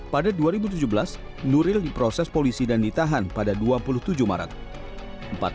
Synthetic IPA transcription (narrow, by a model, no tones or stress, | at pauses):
padaduaɾibut̪̬ud͡ʒubəlas | nuɾɪldipɾosɛspolisidandit̪aɦanpadaduapulʊht̪ud͡ʒuhma̰ɾa̰t̪̚ | əmpa̰t̪̚